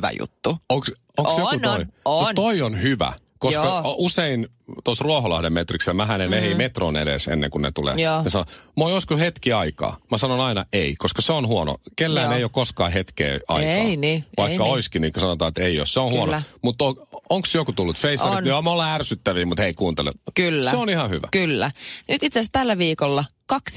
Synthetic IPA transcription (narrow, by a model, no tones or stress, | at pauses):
ʋæ̰jṵt̪ːuoŋks | osjokutoimut̪oionhyʋæ̰ | koskkɑusein | t̪osruoholɑhdemmet̪rikselmæɦænenehimet̪ronḛɾḛsḛnːḛŋkunnḛt̪ulḛːjɑsɑnomojoskushet̪kiɑikɑ̰ːmæsɑnonɑinɑeikoskɑseonhuono̰kelːæːneijokoskɑːhet̪kḛːɑ̰ikɑ̰niʋɑikːɑoiskiniːŋkæsɑnot̪ɑːet̪eio̰sseonhuonomut̪ːooŋksjokut̪ulːut̪feisnyɑmolːɑærsyt̪ːæʋiːmut̪heikuːnt̪elḛkylːsæeonihɑhyʋæ̰kylːænyt̪it̪sest̪ælːæʋiːkolːɑkɑks